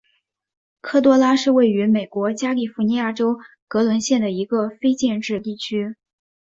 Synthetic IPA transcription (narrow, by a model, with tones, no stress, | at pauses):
kʰɤ˥˩t̪wɔ˥la˥ʂɻ̩˥˧we˥˩ɪy˧˥me˨˩ɪkwɔ˧˥t͡ɕja˥li˥˩fu˧˥ni˧˥ja˥˩ʈ͡ʂo˥ʊ | kɤ˧˥lwə˧˥nɕjɛ˥˩nd̪ə˩i˧˥ɡə˧fe˥ɪt͡ɕjɛ˥˧nʈ͡ʂɻ̩˥˧t̪i˥˩t͡ɕʰy˥